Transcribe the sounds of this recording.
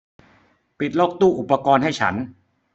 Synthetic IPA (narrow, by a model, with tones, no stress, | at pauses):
pi˨˩t̪̚lɔː˥˩k̚t̪uː˥˩ʔu˨˩pːa˧kɔː˧nɦa˥˩jt͡ɕʰa̰˦˥n